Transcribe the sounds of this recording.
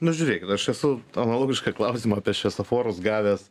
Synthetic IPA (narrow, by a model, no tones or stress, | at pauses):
nʊʒʲʊɾʲeːkʲɪt̪ɐʃɛsʊɐnɐlˠoːɡʲɪʃkɐklˠɐʊsʲiːmɐɑːpʲiɛʃʲʋʲɛsɐfoːɾʊsɡɑːʋʲɛs